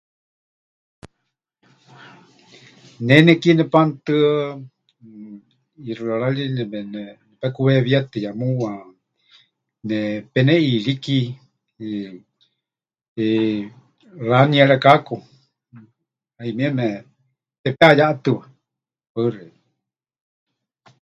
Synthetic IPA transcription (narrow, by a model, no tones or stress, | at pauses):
nɛnɛkinɛpant̪ɨ | irɨaɺalinɛmɛnɛnɛpɛkuβɛβiat̪ɨjamuwa | nɛpɛnɛiɺiki | laniaɺakaku | aimiɛmɛ | pɛpeajaʔat̪ɨβa | pəre